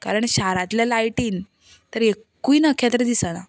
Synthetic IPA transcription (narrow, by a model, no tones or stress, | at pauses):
ka̰ɾəɳɕaɾãt̪ljalajʈiːn | t̪əɾekː | uinakʰet̪ɾəd̪isəna̰